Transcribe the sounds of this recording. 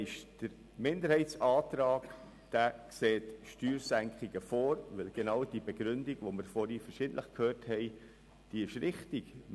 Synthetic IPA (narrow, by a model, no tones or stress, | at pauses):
ɪʃd̥əɾ | mɪndəɾhɛɪtt͡sɑːtɾɑːɡ | d̥ækseːtʃtyːɾsæŋkχiɡəfoːɾʋɪlɡ̥enɑwd̥ibeɡɾʏndiɡ̥ʋoməɾfɔɾifəɾʃɪdn̩tləχkʰhøːɾthɛɪ | d̥iɪʃɾɪχtiɡ